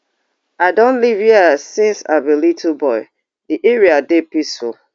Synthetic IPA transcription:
adɔ̃nliviasĩnsa̰bilitʰubɔɪ | diʔeɹiadepiso

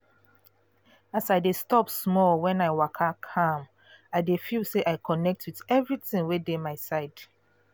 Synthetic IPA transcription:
asaɪdestɔpsmɔlwɛ̃naɪwakʰakʰãm | aɪdefilseʔaɪkʰɔnɛk̚tʰwiðɛvɹiθĩŋwedemaɪsaɪd̥

